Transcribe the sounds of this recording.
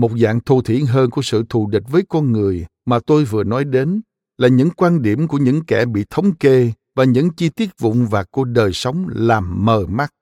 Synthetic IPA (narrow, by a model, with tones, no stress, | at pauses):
mo˨˩t̚za̰ː˧˨ŋt̪ʰu˧˩t̪ʰḭ˧˩ənɦəː˧nku˧˩əsɨ̰˧˨t̪ʰu˧˩ɗï˨˩k̟̚vəː˨˦jkɔ˧nŋɨ˨˩əjmaː˨˩t̪o˧jvɨ˨˩ənɔ˨˦jɗe˨˦n | laː˨˩ɲɨ̰˧˥ŋkwaː˧nɗi˧˩əmku˧˩əɲɨ̰˧˥ŋkɛ˧˩ɓḭ˧˨t̪ʰə˨˦wŋ͡mke˧ | vaː˨˩ɲɨ̰˧˥ŋt͡ɕi˧t̪i˦˥ət̚vʊ̰˧˨ŋ͡mvaː˨˩ku˧˩əɗəː˨˩jsə˨˦wŋ͡mlaː˨˩mːəː˨˩ma˦˥t̚